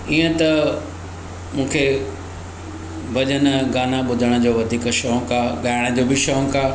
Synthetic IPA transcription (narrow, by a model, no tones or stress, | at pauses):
iːə̃t̪ɐ | mũːkʰe | bɐʄənɡaːnaɓʊd̪ʱəɽ̃d͡ʑoːʋɐd̪ʱiːkʃɔːɦŋkaːɠaːɪɽ̃əd͡ʑoːbʱiʃɔːɦkaː